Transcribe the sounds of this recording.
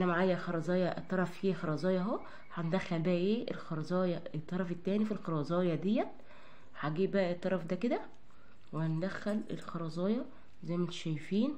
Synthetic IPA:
ʔenːæmaʕaːjæxɑɾˤɑzˤɑːjɑʔt̪ˤːɑɾˤɑfhiːxɑɾˤɑzˤɑːjɑɦoæ | ħæned̪æxːælbæʔæʔeːelxɑɾˤɑzˤɑːjɑet̪ˤːɑɾˤɑfet̪ːæːnifilxɑɾˤɑzˤɑːjɑd̪ejːæt̪ | ħaɡiːʔbæʔæet̪ˤːɑɾˤɑfd̪æked̪æ | wehænd̪æxːælḛlxɑɾˤɑzˤɑːjɑ | zæjːmæt̪ʃæjfiːn

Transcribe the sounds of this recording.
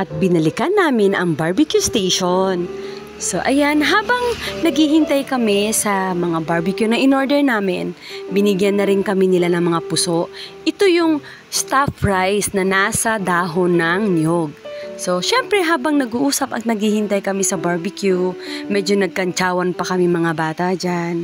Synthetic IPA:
ʔɐt̪̚bɪnɐlɪkanːaːmɪnɐŋbaɹbɪkjust̪ejʃon | soʔɐjanɦaːbɐŋnɐɡhihɪnt̪ajkɐmɪsɐmɐŋabaɹbɪkjunɐʔɪnoɹd̪ɛɹnaːmɪnbɪnɪɡjɐnːɐɾɪnkɐminɪlanɐŋmɐŋapʊsoʔʔɪt̪ojʊŋ | st̪afɹajsnɐnaːsɐd̪aːɦonːɐŋnjoɡ̚so̞ʃɛmpɾɛɦaːbɐŋnɐɡuʔuːsɐpɐk̚nɐɡhihɪnt̪ajkɐmɪsɐbaɹbɪkjumɛd͡ʒo̞nɐɡ̚kɐnt͡ʃaːwɐnpɐkɐmiŋmɐŋabaːt̪ɐd͡ʒan

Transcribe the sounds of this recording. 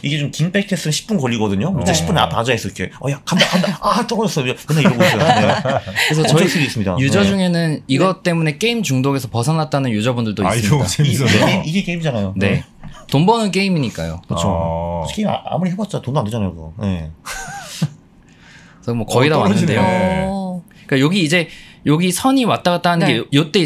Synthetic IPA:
iɡe̞t͡ɕomkimp͈ek̚tʰes͈ɯɕʰi̥k̚p͈unkʌʎːiɡʌdɯɲomit͡ɕ͈aɕʰip͈una̰pad͡ʑaɦes͈ʌikʰeʌjakandakandaat͈ʌɡʌʌs͈ʌawenːaiɾɡoisʌeɾes̬ʰʌʌeks͈ʰeɡis͈ɯmɲida̰jud͡ʑʌd͡ʑuŋe̞nɯniɡʌt͈e̞mune̞k͈e̞imt͡ɕuŋdoɡe̞sʰʌpʌsʰanat̚t͈anɯnjud͡ʑʌbundɯɭdoisɯmaeeiiɡek͈eimid͡ʑanajone̞ | tombʌnɯnk̬͈e̞imiɲik͈a̰jo̰kɯt͡ɕʰokeim̰a̰muɾiɦebʌt̚t͡ɕ͈atonandeanajokɯɡʌ̰je̞̰ | ʌɡɯmwʌkʌiɾaanɯndejo | ik͈ajoɡiːd͡ʑe̞joɡisʰʌɲiwat̚t͈aɡat͈anɯnɡejot͈e̞

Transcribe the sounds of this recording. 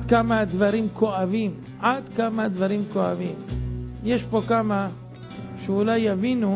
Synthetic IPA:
d̪kamad̪vaɾimkʰoavim | ʕad̪kamad̪vaɾimkoa̰vimjeʃpo̞kama | ʃeulajːavinu

